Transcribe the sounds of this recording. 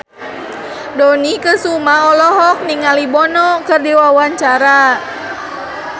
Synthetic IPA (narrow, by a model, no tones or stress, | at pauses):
dɔnikəsumaɔlɔɦɔk̚niŋalibɔnɔkərdiwawaɲt͡ʃaɾa